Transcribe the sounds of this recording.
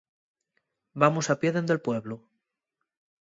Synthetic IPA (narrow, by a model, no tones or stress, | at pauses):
bamusapje̞ðend̪e̞lpwe̞βlo